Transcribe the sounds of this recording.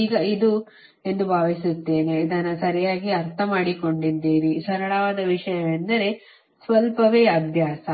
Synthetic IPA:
iːɡɐid̪u | e̞nd̪ubʱaːʋisut̪ːe̞ːneid̪ɐnːɐsɐɾɐjaːɡiɐɾt̪ʰɐmaːɽiko̞ɳɖid̪iːɾisɐɾɐɭɐʋaːd̪ɐʋiʂɐjɐʋend̪ɐɾe̞ | sʋɐlpɐʋeːɐd̪ʱjaːsɐ

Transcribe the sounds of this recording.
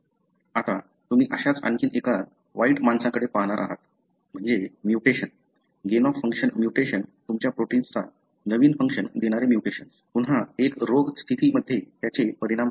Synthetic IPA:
at̪a | t̪um̤iːʔəɕat͡sə̰nkiːneka | ʋaiʈmansãkəɽepaɦɽ̃aɾʔa̰ɦa̰t̪ | m̤əɳd͡zemjuʈeɕən | ɡenɔfːəŋkʂənmjuʈeɕənt̪umt͡ɕjapɾoʈiːnst̪ʰa | nəʋiːnfəŋkʂənd̪eɽ̃aɾemjuʈeɕənspuɳɦaekɾoɡst̪ʰit̪iːməd̪ʱːjet̪jat͡ɕepəɾiɽ̃am

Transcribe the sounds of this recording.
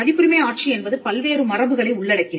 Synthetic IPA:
ɐðɪpːɯɾɪmɐɪaːʈ̚t͡ʃiɛnbɐðɯpɐlʋeːɾɯmɐrɐʋbɯɣɐɭɐɪʊɭːɐɽɐkːɪn

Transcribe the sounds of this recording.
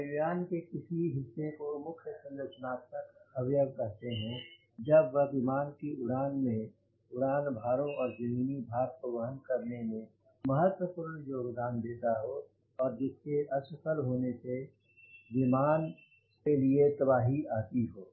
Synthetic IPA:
əɡjaːnkekɪsiɦɪsːekomʊkʰjəsə̃nd̪ət͡ʃənaːkt̪əkɐʋjəɡɾɐɦt̪eɦɛ̃ | d͡ʒəbʋəʋimaːnkiʊɽaːnmẽ | ʊɽaːnbʱaːɾõɔːɾzɐmiːnibʱaːɡ̚poʋəɦənkɐɾnemẽ | məɦət̪wəpuːɾnjoːɡd̪aːnd̪eːt̪aɦo | ɔːɾd͡ʒɪskeʔɐʃəkəlɦoːnese | ʋɪmaːn | keliet̪əbaːɦiaːt̪iɦoː

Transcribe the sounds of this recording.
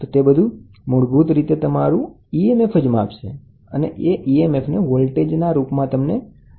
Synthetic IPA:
ot̪ebəd̪ʱu | mʊɽbut̪ɾit̪et̪əmaɾũ | iemefʰəd͡ʒma̰pʃe | ə̰nḛʔeʔiemefʰneʋolʈed͡ʒnaɾupmãt̪əmne

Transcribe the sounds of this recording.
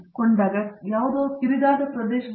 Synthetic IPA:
koɳd̪aːɡɐjaːʋɐd̪oːk̪iɾid̪aːd̪ɐpɾɐd̪eːʃɐ

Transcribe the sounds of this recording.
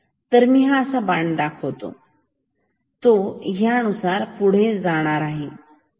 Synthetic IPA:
t̪əɾmiːɦãəsabaɳɖd̪akʰəʋt̪o̰ | t̪oɦjaənusaɾpuɽ̤ed͡zaɽ̃aɾaɦe

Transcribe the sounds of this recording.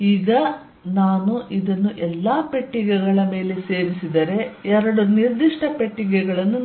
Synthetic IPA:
iːɡɐ | naːnuʔid̪ɐnːuʔɛlːaːpeʈːiɡɛɡɐɭɐme̞ːle̞se̞ːʋisid̪ɐɾe̞ɛɾɐɽuniɾd̪iʂʈʰɐpeʈːiɡɛɡɐɭɐnːu

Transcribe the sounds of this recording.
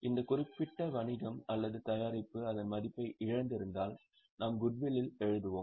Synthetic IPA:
ʔɪnd̪ɐkʊrɪpːɪʈːɐʋɐɳɪɣɐmɐlːɐðɯt̪ɐjaːɾɪpːɯɐðɐnmɐðɪpːɐɪʔɪɻɐnd̪ɪɾɯnd̪aːl | naːmɡʊɖʋɪlɪlɛɻɯðɯʋoːm

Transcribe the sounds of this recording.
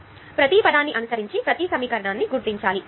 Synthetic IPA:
pɾɐt̪ipɐd̪aːnːiʔɐnusɐɾiɲt͡ʃipɾɐt̪isɐmiːkɐɾɐɳaːnːiɡuɾt̪iɲt͡ʃaːli

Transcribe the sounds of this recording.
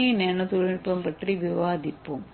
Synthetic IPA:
ineːɳɐt̪uɻɐpːɐmpɐʈriʋiʋaːd̪ipːum

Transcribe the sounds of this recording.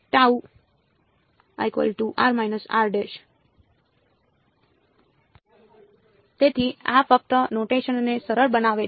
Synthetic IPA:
ʈau | a̰jkʋə̰lʈuʔa̰ɾmajnəsa̰ɾɖeʃ | t̪et̪ʰiafəp̚t̪ənoʈeʃənnesəɾəɾbənaʋe

